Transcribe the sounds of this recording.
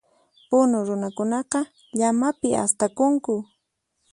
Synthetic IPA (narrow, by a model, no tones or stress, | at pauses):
pʊnʊɾʊnakʊnɑqɑ | ʎamapɪʔa̰st̪akʊŋkʊ